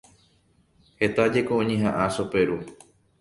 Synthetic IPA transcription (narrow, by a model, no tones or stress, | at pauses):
he̞t̪ad͡ʒekoʔõɲẽɦãʔaʃope̞ɾu